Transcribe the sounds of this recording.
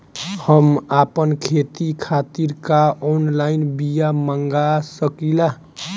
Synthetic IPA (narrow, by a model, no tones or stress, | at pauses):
həmapənkʰet̪ikʰat̪iɾkaonlajnbijaməŋɡasəkila